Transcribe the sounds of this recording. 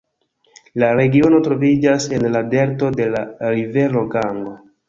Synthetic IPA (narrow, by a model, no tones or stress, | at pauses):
laɾe̞ɡio̞no̞tɾo̞vid͡ʒase̞nlade̞ɾto̞de̞laɾive̞ɾo̞ɡaŋɡo̞